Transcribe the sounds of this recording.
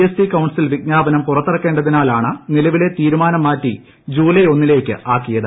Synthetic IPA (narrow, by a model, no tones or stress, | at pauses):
esʈikɐwɳɖsilʋik̚ɲaːbɐnɐmpurɐt̪ːɐrɐkːe̞ːɳɖɐðinaːlaːɳɨnilɐʋile̞t̪iːɾumaːnɐmːaːtːi | d͡ʑuːleo̞nːile̞ːkʲːɨ̰ʔaːkːijɐðɨ